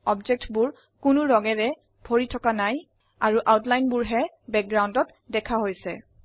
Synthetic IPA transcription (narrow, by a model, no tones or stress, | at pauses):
ɔbd͡ʒɛk̚tbʊɹ | kʊnʊɹɔɡɛɹɛ | bʱoɹitʰɔkanaj | aɹuʔawtlajnbʊɹɦɛ | bɛk̚ɡɹawundɔt | dɛkʰaɦojsɛ̰